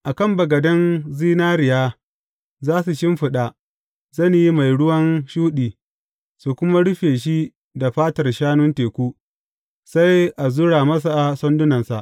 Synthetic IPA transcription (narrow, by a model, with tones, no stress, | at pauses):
ʔa˨kɐ˦mbɐ˨ɡɐ˨dɐ˦nziː˦naː˦ɾɪ˨jaː˦ | zaː˦su˨ʃɪ˦mɸɪ˨ɗa˨ | zɐ˦˨nji˦ma˨jɽʊ˦wɐ˦nʃuː˦ɗiː˨ | su˨kʷʊ˦ma˦ɽʊ˦ɸeː˨ʃ̬i˦ | da˨ɸaː˦tɐ˨rʃaː˦nʊ˦nteː˨kʷuː˦ | sa˦jʔa˨zʊ˦ɽaː˨mɐ˦s̬a˨sɔ˦ndʊ˦nɐ˨nsa̰˨ʔ